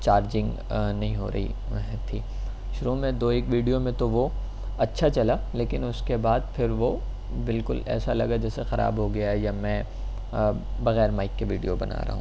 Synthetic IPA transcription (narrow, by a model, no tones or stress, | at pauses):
t͡ʃaːɾd͡ʒɪ̃ŋɡ | nɐɦĩɦo̰ːɾɐ̰ɦḭ | ɦɛ̃t̪ʰiː | ʃʊɾomẽd̪oːeːkʋiːɖijomẽt̪oʋo | ɐtːʃʰat͡ʃɐlaleːkɪnʊskebaːd̪pʰɪɾʋo | bɪlkʊlɛ̰ːsalɐ̰ɡad͡ʒɛːsexɐɾʔa̰ːbɦoɡɐjaɦɛjamɛ̃ː | bɐɣɛːɾmaːɪkːeʋiːɖijobɐna̰ːɾɐ̰ɦũː